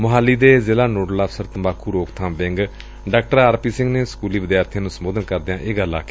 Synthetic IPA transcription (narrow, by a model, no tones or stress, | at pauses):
mʊɦaːlːiːd̪eːzɪːlaːnoːɖələfsəɾt̪əmaːkʰuːɾoːkt̪ʰãːmʋɪ̃ŋɡ | ɖaːk̚ʈəɾaːɾpiːsɪ̃ŋɡneːsə̥kuːliːʋɪd̪jaːɾt̪ʰjãːnũːsəmoːd̪ənkəɾd̪jãːʔeːɡəlːa̰ːkeː